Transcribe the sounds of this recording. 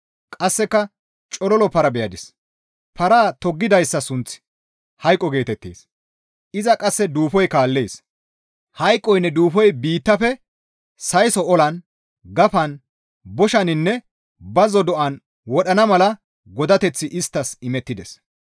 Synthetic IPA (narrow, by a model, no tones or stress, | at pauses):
kʼɐsːɛkːɐ | t͡ʃʼɔlɔlɔpɐɾɐbɛjɐd̪ɪs | pɐɾaːt̪ɔɡːɪd̪ɐjsːɐsʊnt͡s | hɐjkʼːɔɡe̞ːt̪ɛt̪ːḛːs | ʔɪzɐkʼɐsːɛd̪uːfɔjkaːlːeːs | hɐjkʼːɔjnːɛd̪uːfɔjbiːt̪ːɐfɛ | sɐjsɔɔlɐn | ɡɐfɐn | bɔʃɐnɪnːɛ | bɐzɔd̪ɔʔɐn | wɔɗɐnɐmɐlɐ | ɡɔd̪ɐt̪ɛt͡sːɪʔɪst̪ːɐsɪmɛt̪ːɪd̪ɛs